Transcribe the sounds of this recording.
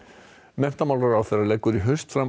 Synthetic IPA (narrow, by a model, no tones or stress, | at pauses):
mɛm̥t̪amawlɾaɾawθɛɾaɾlɛːkːʏɾiɦʏ̥st̪fɾa